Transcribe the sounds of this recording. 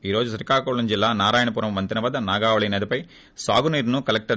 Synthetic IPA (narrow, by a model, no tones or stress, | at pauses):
iːɾo̞ːd͡ʒusɐɾikaːkoːɭːund͡ʒilːaːnaːɾaːjɐɳɐpuːɾɐmʋɐnt̪inɐʋɐːd̪ɐnaːɡaːʋɐɭɐnɐd̪upɐj | saːɡuniːɾnukɐlɐk̚ʈɐ